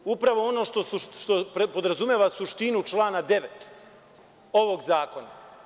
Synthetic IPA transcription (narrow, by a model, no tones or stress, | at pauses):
upɾaʋo̞ono̞ːʃt̪o̞suʃt̪oppod̪ɾazumʲjeːʋasuʃt̪inut͡ʃlˠaːnad̪e̞ʋet̪ | o̞ʋo̞ɡzaːko̞na